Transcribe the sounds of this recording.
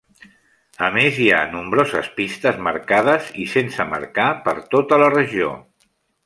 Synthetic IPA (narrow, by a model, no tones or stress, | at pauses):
əmezia̰numbɾozə̰spist̪əzməɾkað̞əzisensəmə̰ɾkapəɾt̪ot̪ələrəʒio̰